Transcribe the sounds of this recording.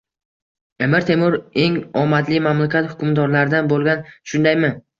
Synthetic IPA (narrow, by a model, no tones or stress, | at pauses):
emɪɾt̪ʰe̞mʊɾe̞ŋɒmat̪lɪmamlakʲʰat̪hʊkʲʰʊmd̪ɒɾlaɾɪd̪anbolˠɡʲanʃʊnd̪ajmɪ